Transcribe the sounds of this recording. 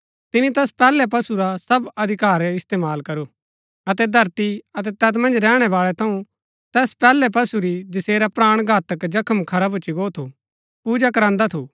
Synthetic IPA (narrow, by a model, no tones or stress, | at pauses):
t̪ɪnĩt̪ɛːspɛːlɛp̬ɐsuɾasɐbɐd̪ʱɪkaːɾɛɪst̪eːmaːlkɐɾo | ɐt̪ɛd̪ʱɐɾt̪iɐt̪ɛt̪ɛːt̪mɐ̃nd͡ʒɾɛːɽ̃ɛʋaːɭɛt̪ʰɐ̃ũ | t̪ɛːspɛːlɛp̬ɐsuɾid͡ʒɪseːɾapɾaːɽ̃ɡʱaːt̪əkd͡ʒɐkʰəmkʰɐɾabʱʊt͡ʃːiɡoːt̪ʰu | puːd͡ʒakɐɾãːnd̪at̪ʰuː